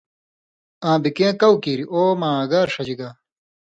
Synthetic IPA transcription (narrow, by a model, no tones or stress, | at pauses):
ãːbikẽːkɐwkiːɾiʔoːmãːɡaːɾʂɐd͡ʑiɡaː